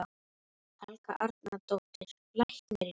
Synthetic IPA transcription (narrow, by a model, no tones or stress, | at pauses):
a | halka̰ʔaɾt̪̚nat̪owt̪ɪɾ̥ | lajçt̪nɛɾɪ